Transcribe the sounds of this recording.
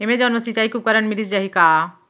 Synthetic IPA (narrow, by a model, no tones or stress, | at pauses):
emẽd͡ʒaːnmɐsit͡ʃaːikukɐɾəɳmilisd͡ʒaɦika